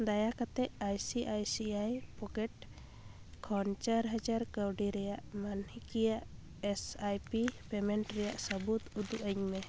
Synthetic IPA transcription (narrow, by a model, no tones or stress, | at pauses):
d̪ajakat̪ɛʔajsiʔajsiajpɔkɛʈ̚ | kʰɔnt͡ʃaɾɦəd͡ʒaɾkawɖiɾɛjaʔmanhikijaʔ | ɛsajpipɛmɛɳʈɾɛjaʔsəbut̪ud̪uʔəɲmɛ